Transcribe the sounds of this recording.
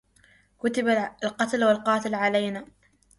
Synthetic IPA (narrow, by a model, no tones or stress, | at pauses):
kʊt̪ɪbalqɑt̪lwalqɑːt̪alʕalajnaː